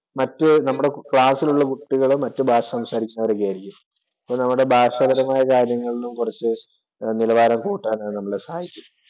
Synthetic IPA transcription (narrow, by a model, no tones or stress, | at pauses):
mɐtːɨnɐmːuɽe̞kɭaːsiluɭːɐkuʈːiɣɐɭumːɐtːɨbʱaːʂɐsɐmsaːɾikʲːunːɐʋɐɾek̬ːeaːjɾikʲːum | ɐpːonɐmːuɽe̞bʱaːʂɐbɐɾɐmaːjɐkaːɾjɐŋːɐɭilumkurɐt͡ɕːɨ | nilɐʋaːɾɐmkuːʈːaːnaːɨnɐmːɐɭesɐhaːjikʲːunː